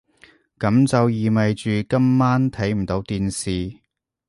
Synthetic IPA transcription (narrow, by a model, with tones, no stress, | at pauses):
kɐ˨˥mt͡sɐ˨wjiː˨mɐ˨jt͡ʃyː˨kɐ˥mːaː˥nt̪ʰɐ˨˥jm̩˨˩t̪o˨˥wt̪iː˨nsiː˨